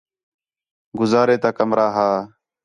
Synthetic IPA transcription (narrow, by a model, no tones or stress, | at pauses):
ɡʊzaːɾeːt̪aːkəmɾaːɦaː